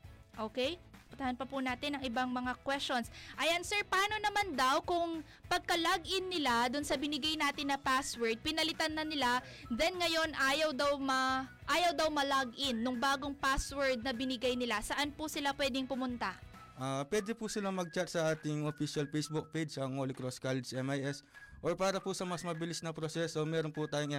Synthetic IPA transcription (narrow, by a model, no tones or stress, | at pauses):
ʔo̞ːkɛjpʊnt̪ɐhanpɐpʊnaːt̪ɪnɐŋʔɪbaŋmɐŋakwɛst͡ʃo̞nsʔɐjansɛɹpɐʔaːno̞nɐmand̪awkʊŋ | pɐɡ̚kɐlaɡʔɪnːɪlad̪ʊnsɐbɪnɪɡajnaːt̪ɪnɐpaswɛɹd̪̚pɪnɐlɪt̪anːɐnɪla | d̪ɛnŋɐjo̞nʔaːjɐwd̪awmɐ | ʔaːjɐwd̪ɐwmɐlaɡʔɪnːʊŋbaːɡoŋpaswɛɹd̪̚nɐbɪnɪɡajnɪlasɐʔanpʊsɪlapwɛːd̪ɪŋpʊmʊnt̪a | ʔaːpwɛːd̪ɛpusɪlamɐɡ̚t͡ʃat̪̚sɐʔaːt̪ɪŋofiʃɐlpejsbʊk̚pejd͡ʒɐŋholɪkɾoskalɛd͡ʒɛmajʔɛsʔoɹpaːɾɐpʊsɐmɐsmɐbɪlɪsnɐpɾosɛːso̞mɛːɾonpʊt̪aːjoŋj